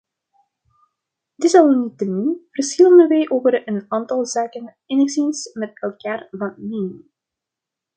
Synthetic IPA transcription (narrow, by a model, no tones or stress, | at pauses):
dɪsɑlnitədunv̥ərsxɪlˠəndəʋɛjʔoːvəɾənaːntɑlˠzaːkən | ɛnɪksensmɛtɛlˠkaːrvɑneːn